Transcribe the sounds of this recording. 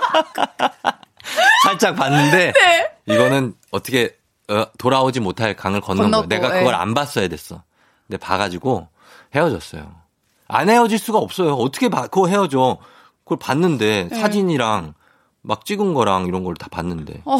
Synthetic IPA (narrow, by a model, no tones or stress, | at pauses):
sʰaɭt͡ɕ͈ak̚panːɯnde̞iɡʌnɯn | ʌtʰʌkʰe̞ | ʌtoɾaod͡ʑimotʰaɭkaŋɯɭkʌnːɯne̞ɡakɯɡʌɾa̰nbas͈ʌjadwe̞s͈ʌ | ne̞pa̰ɡad͡ʑiɡo | he̞ʌd͡ʑʌs͈ʌjo̰ | a̰ne̞ʌd͡ʑiɭs͈uɡaʌp̚s͈ʌjoʌtʰɯ̥kʰepakɯɡʌɦe̞ʌd͡ʑo | kɯʌpanːɯnde̞sʰad͡ʑiɲiɾaŋ | mak̚t͡ɕ͈iɡɯnɡʌɾaŋiɾʌnɡʌɭːtḁpanːɯnde̞̰